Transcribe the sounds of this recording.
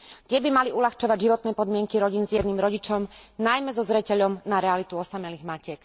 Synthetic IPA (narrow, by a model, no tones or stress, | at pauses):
t̪ɪɛbimaliulaxt͡ʃɔʋaɟʒiʋɔt̪nɛːpɔd̪mɪɛŋkiɾɔɟiːnzjɛd̪niːmɾɔɟit͡ʃɔmnajmɛzɔzɾɛcɛʎɔmnaɾɛalit̪uɔsamɛliːɣmacɪɛk